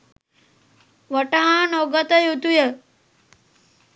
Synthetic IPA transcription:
ʋəʈaɦãnoɡət̪əjut̪ujə

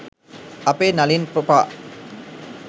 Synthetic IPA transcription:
apeːnalinpɾopaː

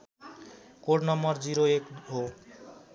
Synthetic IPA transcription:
koɾnɔmɔɾd͡ʑiɾoekɦo

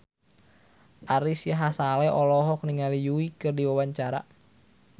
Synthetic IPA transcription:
ʔaɾisjaɦasalɛʔɔlɔɦɔk̚niŋalijuikɨrdiwawaɲt͡ʃaɾa̰

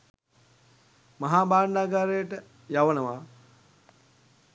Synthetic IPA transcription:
mɐɦaːbaːɳdaːɡaɾəjəʈə | jaʋənəʋa

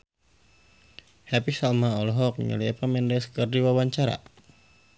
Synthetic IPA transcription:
hɛpisalmaɔlɔɦɔk̚ɲə̰liɛpamɛndɛskərdiwawaɲt͡ʃaɾa̰

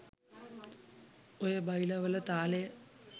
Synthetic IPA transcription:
ojəbɐjlɐʋələt̪aːlejə

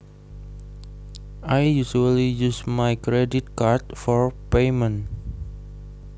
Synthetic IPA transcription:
ajjusuəlijusmajkɾedit̪̚kartfɔɹpejmə̃n

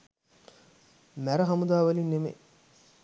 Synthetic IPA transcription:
mæɾɐɦɐmud̪aːʋɐlinːemḛ

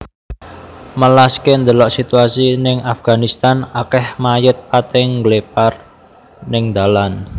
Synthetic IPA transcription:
məlaskend̪əlɔʔsit̪uasinɪŋafɡ̥a̤nist̪anakɛhmajət̪̚pat̪ɪŋɡlepar | nɪŋd̪̥a̤lan

